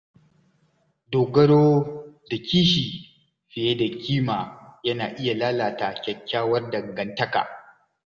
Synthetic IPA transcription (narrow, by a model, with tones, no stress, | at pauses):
doː˨ɡɐ˦ɽoː˦da˨kʲiː˦ʃiː˨ | ɸɪ˨je˦da˨kʲʰiː˦maː˨jɐ˦naː˨ʔɪ˦ja˨laː˦laː˨ta˨kʲɐ˨kʲːaː˦wɐ˦rdɐ˨ŋɡɐ˦ntɐ˦ka̰˨